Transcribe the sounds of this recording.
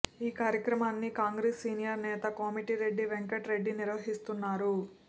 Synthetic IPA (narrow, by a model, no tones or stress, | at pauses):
iːkaːɾjɐkɾɐmaːnːikaːŋɡɾeːsːiːnijɐɾnɛːt̪ɐkomiʈiɾe̞ɖːiʋeŋkɐʈɾe̞ɖːiniɾʋɐɦist̪unːaːɾu